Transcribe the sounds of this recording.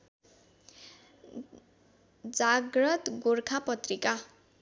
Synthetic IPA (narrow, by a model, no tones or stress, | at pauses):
d͡zaɡrʌt̪ɡorkʰapʌt̪rika